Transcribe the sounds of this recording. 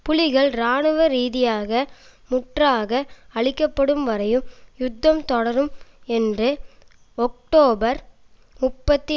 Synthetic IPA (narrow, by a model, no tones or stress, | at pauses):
pʊlɪɣɐɭɾaːɳɯʋɐɾiːðɪjaːɣɐ | mʊʈraːɣɐɐɭɪkːɐpːɐɽɯmʋɐɾɐjɯmjʊd̪ːɐmt̪ɔɽɐɾɯmɛndrɯ | ɔk̚ʈoːbɐɾ | mʊpːɐt̪ːi